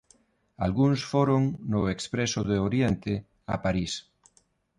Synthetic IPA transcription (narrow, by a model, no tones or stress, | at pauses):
a̰lɣuŋsfoɾoŋnʊekspɾesoðeoɾjent̪e | a̰paɾis